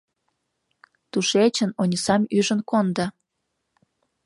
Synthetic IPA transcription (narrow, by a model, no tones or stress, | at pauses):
t̪uʃet͡ɕənonʲisɑmyʒənkond̪ɑ